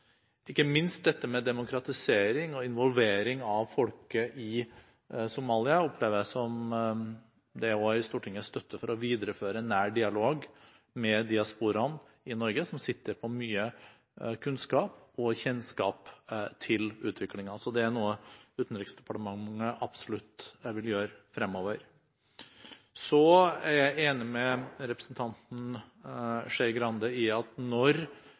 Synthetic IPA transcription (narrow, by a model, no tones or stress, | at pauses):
ɪkːəmɪnst̪̚d̪ɛt̪ːəmɛd̪ɛmʊkɾɑt̪ɪseːɾɪŋɔɪnʋɔlʋeːɾɪŋɑʋfɔlkəʔɪ | sʊmɑːlɪɑɔpʰleːʋəɾjæsɔm | d̪ɛɔɪst̪uːʈʰɪŋːəst̪œt̪ʰːəfɔɾɔʋiːd̪əɾəføːɾənæːɖɪɑloːɡ | mɛd̪ɪɑspuːɾɑn | ɪnɔɾɡəsɔmsɪt̪ːəɾpʰɔmyːə | kʰʉnskɑːpɔçɛnskɑ̰ːpt̪ʰɪlʉ̰ːt̪ʰʋɪklɪŋɑsɔd̪ɛæɳuːəʉːt̪n̩ɾɪksd̪ɛpɑʈəmɑŋəʔɑb̥sɔlʉt̪ʋɪljøːɾfɾɛmːoːʋəɾ | sɔæɾjæɪeːnɪmɛɾɛpɾəsn̩t̪ʰɑnt̪n̩ | ʂeɾɡɾɑnd̪əɪɑt̪nɔɾ